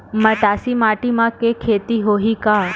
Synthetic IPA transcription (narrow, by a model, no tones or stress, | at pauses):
məʈasimaʈimãkekʰet̪iɦoɦika